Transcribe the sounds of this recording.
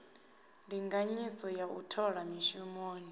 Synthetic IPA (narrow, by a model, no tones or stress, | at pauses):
ndʱiŋɡaɲisɔjaʔṵtʰɔɺamiʃumoːni